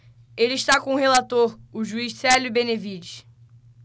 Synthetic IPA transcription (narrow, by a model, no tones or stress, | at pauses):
elɪiʃt̪akõʊhelat̪oɾʊʒuiʃsɛlʊibẽnevid͡ʒiʃ